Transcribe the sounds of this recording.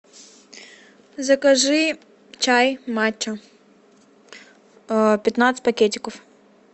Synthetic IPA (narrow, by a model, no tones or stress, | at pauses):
zɐkɐʒɪ | t͡ʃajmat͡ʃːɐ | pʲɐt̪nat̪sə̥tʲpɐkʲetʲɪkɔf